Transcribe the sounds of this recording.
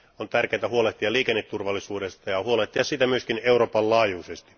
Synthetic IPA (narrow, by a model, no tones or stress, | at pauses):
ont̪ærkeːt̪æhuoleht̪iɑliːkenːet̪t̪ːurʋɑlːisuːdest̪ɑjɑhuoleht̪ːiɑssit̪æmyøskineuroːpɑllɑːjuːsest̪i̥